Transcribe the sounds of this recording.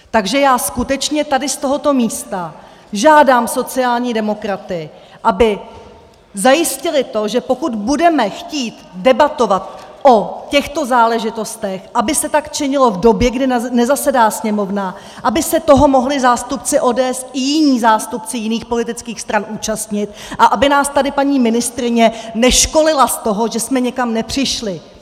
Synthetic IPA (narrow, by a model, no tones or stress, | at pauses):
t̪aɡʒɛjaːskut̪ɛt͡ʃɲɛt̪adɪst̪o̞ɦo̞t̪o̞miːst̪a | ʒaːdaːmso̞t͡sɪaːlɲiːdɛmo̞kɾat̪ɪ | ʔabɪ | zajɪscɪlɪt̪o̞ʒɛpo̞kud̪budɛmɛxciːt̪dɛbat̪o̞vat̪̚ʔo̞cɛxt̪o̞zaːlɛʒɪt̪o̞st̪ɛxʔabɪsɛt̪akt͡ʃɛɲɪlo̞vdo̞bjɛɡdɪnɛzasɛdaːsɲɛmo̞vna | ʔabɪsɛt̪o̞ɦo̞mo̞ɦlɪzaːst̪upt͡sɪʔo̞ːdɛːɛsɪjɪɲiːzaːst̪up̚t͡sɪjɪniːxpo̞lɪt̪ɪt͡skiːxst̪ɾanʔuːt͡ʃast̪ɲɪt̪ | ʔaʔabɪnaːst̪adɪpaɲiːmɪnɪst̪ɾɪɲɛnɛʃko̞lɪlast̪o̞ɦo̞ʒɛsmɛɲɛkamnɛpr̝̥ɪʃlɪ